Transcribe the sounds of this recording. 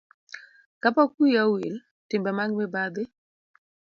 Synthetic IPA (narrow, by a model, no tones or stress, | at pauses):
kapakujawil | tɪmbɛmaŋɡmɛbad̪ɪ